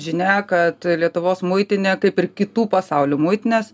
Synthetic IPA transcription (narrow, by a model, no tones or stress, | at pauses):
ʒʲɪnʲæːkɐt̪lʲiɛt̪ʊʋoːsmʊɪt̪ʲɪnʲeːkɐɪpɪɾkʲɪt̪uːpɐsɑʊlʲuːmʊɪt̪ʲɪnʲeːs